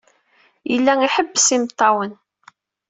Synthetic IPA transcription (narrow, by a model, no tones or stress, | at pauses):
jəlːæŋiħəbːsimt̪ˤːɑwən